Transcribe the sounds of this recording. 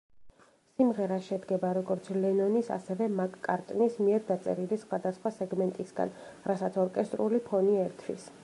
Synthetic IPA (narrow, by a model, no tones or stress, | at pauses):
simʁɛɾaʃɛd̪ɡɛbaɾɔɡɔɾt̪sʰlɛnɔnisa̰sɛvɛmakʼkʼːaɾt̪ʼnismiɛɾd̪at̪sʼɛ̰ɾilisχwad̪asχwasɛɡmɛnt̪ʼisɡa̰nɾasat̪sʰɔɾkʼɛst̪ʼɾulipʰɔniɛɾt̪ʰwḭs